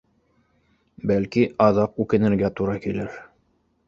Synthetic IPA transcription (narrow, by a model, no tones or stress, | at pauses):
bælkiʔɑðɑqʉkɘ̆nɘ̆ɾɡæt̪uɾɑkilɘɾ